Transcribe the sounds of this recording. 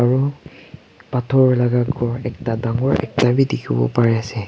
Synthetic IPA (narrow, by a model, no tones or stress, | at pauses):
aɹu | patʰɔɹlaɡaɡɔɹɛktadaŋɔɹʔɛ̰k̚tabidekʰibɔ̰paɹɛasɛ